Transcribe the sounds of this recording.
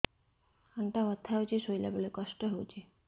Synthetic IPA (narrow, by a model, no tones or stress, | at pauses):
aɳʈaɔt̪ʰːawt͡ɕʰiʃojla̰bolekɔʃʈoɦowt͡ɕʰi